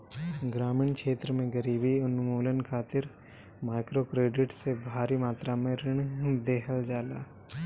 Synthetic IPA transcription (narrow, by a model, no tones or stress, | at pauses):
ɡɾaːmɪɳkʃeːt̪ɾəmẽɡəɾiːbiʊnmuːlənkʰaːt̪ɪɾ | maːɪkɾokɾeːɖɪʈsebʱaːɾimaːt̪ɾamẽɾɪɳ̃d̪eːɦəld͡ʒaːlaː